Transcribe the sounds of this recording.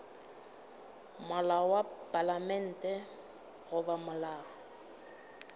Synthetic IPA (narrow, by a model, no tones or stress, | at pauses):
mʊlawapʼalamɛn̩ːtʼɛ | ɣʊbamʊlaːɔɔ